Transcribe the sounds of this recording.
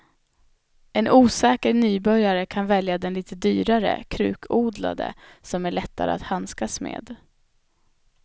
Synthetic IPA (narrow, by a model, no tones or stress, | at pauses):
ɛnʔuːsɛːkəɾnyːbœɾjaɾəkʰanvɛljad̪ɛnliːt̪əd̪yːɾaɾə̰kʰɾʉ̟̰ːkʰuːd̪la̰d̪ə̰sɔmæɭɛt̪ːa̰ɾə̰a̰t̪hanskasmḛːd̪